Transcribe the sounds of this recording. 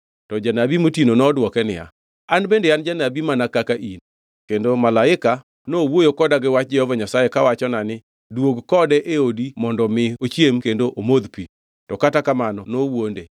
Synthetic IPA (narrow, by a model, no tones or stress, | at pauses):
tɔd͡ʒanabimotinonɔdwɔkɛnɪja̰ | anbendeand͡ʒanabimanakakaʔin | kendomalaɪka | nowojokɔdaɡɪwat͡ʃ̚d͡ʒɛhɔvaɲasajekawat͡ʃɔnanɪ | dwoɡkɔdɛʔeodimɔndɔmɪot͡ʃjemkendoʔomod̪pi | tɔkatakamanɔnowonde